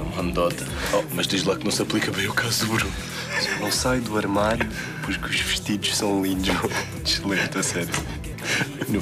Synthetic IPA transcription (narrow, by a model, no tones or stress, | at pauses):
ũmɐnd̪ɔt̪ɐɔmɐʒd̪ejʒd̪lˠak̚nɐ̃w̃sɐplˠikɐβɐ̃j̃ukazud̪uβɾũ | snɐ̃w̃sajd̪uɐɾmaɾju | pɔɾkuʒvɨʃt̪iðuʃsɐ̃w̃lˠĩnd̪ʃ | t̪ʃlˠẽmt̪asɛɾju | nũ